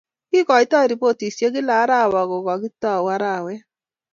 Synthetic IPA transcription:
ki˦kɔ˨i˦tɔ˦˨ɾi˨po˦˨ti˨sje˦ɡi˦la˨˦ɾa˦˨wɔ˨ɡo˨ɡɔ˨ɡi˦tɔ˦˨wa˦ɾa˦˨wɛ˦

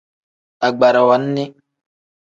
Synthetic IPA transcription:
a˨ɡ͡ba˨ɾa˨wa˨˦nːi˦

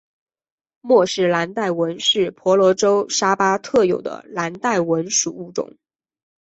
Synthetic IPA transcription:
mwɔ˥˧ʂɻ̩˥˩la˧˥nt̪a˥˩ɪwə˧˥nʂɻ̩˥˩pʰwɔ˧˥lwɔ˧˥ʈ͡ʂo˥ʊʂa˥pa˥t̪ʰɤ˥˩jo˨˩ʊd̪ə̰˦la˧˥nt̪a˥˩ɪwə˧˥nʂu˨˩u˥˩ʈ͡ʂʊ̰˨˩˦ŋ

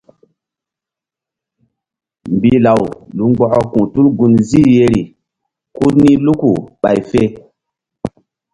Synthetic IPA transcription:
mbi˨˦la˨wlu˨˦ŋ͡mɡ͡bɔ˦kɔ˦kũ˨tu˦lɡu˧nzi˦je˦ɾi˨ | ku˦ɾnĩ˦lu˦ku˨ɓa̰˨jfe˦

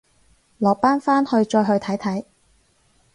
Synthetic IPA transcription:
lɔː˨k̚paː˥nfaː˥nhɵ˧ɥt͡ʃɔː˧jɦɵ˧ɥt̪ʰɐ˨˥jt̪ʰɐ˨˥j

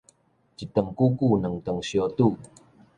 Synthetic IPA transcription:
t͡ɕi˨t̪ə˨˩ŋku˦ku˥˧˨nə˨˩˦ŋt̪ə˨˩ŋɕjo˧t̪u˥˨

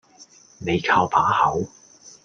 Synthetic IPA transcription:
ne˨˧jkʰaː˧wpʰaː˨˥hɐ˨˥w

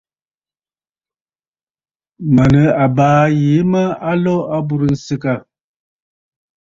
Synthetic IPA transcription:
ma˨nə˨a˨baː˨˦je˨˦ma˦a˦lɔ˦a˦bu˦ɾə˨n̩˨sə˦ka˦˨

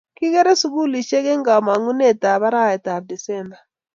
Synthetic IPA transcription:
ki˦kɛ˦ɾɛ˦su˨ku˦li˨ʃɛ˦kɛ˦ŋɡa˨ma˨ŋu˦nɛ˦˨ta˨βa˦ɾa˦˨ɛ˨ta˨b̚di˨sɛ˦mba˨

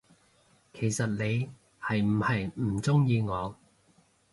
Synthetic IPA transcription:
kʰe˨˩jsɐ˨t̚ne˨˧j | hɐ˨jm̩˨˩hɐ˨jm̩˨˩t͡sʊ˥ŋjiː˧ŋɔː˨˧

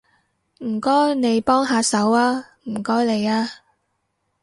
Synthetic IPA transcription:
m̩˨˩kɔː˥jne˨˧jpɔː˥ŋɦaː˧sɐ˨˥waː˥ | m̩˨˩kɔː˥jle˨˧jaː˧˥

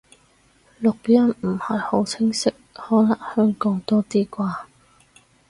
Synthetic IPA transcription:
lʊ˨k̚jɐ˥nm̩˨˩hɐ˨jho˨˥wt͡sʰɪ˥ŋsɪ˥k̚hɔː˨˥laː˨˩ŋhœː˥ŋkɔː˨˥ŋt̪ɔː˥t̪iː˥kʷaː˧

